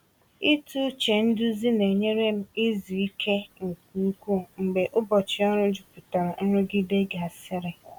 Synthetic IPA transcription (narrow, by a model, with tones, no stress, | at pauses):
ɪ˦tu˦t͡ʃe˨n̩˦dʊ˦zi˦ne˨ɲe˦ɾe˦m̩˦ɪ˦zi˨i˦kʰe˦ŋ̩˨k̚u˦kʷu˦ŋ͡m̩˨ɡ͡be˨ʔʊ˦bɔ˨t͡ʃɪ˨ɔ˦ɾʊ˦d͡ʒʊ˨pʊ˨ta˨ɾa˨n̩˦ɾʊ˦ɡɪ˦de˦ɡa˨sɪ˦ɾɪ˨